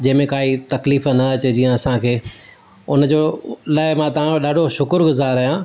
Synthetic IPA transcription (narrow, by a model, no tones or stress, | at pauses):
d͡ʑɐ̃ɦɪ̃mẽkaːit̪ɐkliːfnɐɐt͡ɕed͡ʑiːə̃ɐsãkʰeː | ʊnəd͡ʑoːlaːɪmãt̪ɐʋ̤ãɗaːɖʱoʃʊkʊɾɡʊzaːɾɐːɦjã